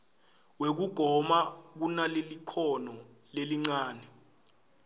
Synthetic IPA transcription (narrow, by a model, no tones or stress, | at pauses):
wek̬uɡ̥ʱɔmak̬unalelikʰɔnɔ | leliŋ͡ǀaːnɛ